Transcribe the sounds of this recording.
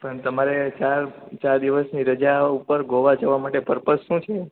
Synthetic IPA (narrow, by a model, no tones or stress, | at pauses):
pəɳt̪əmaɾet͡ʃaɾt͡ʃaɾd̪iʋəsniɾəd͡ʒaupəɾɡoʋad͡ʒəʋamaʈepəɾpət̪ʃũt͡ʃʰe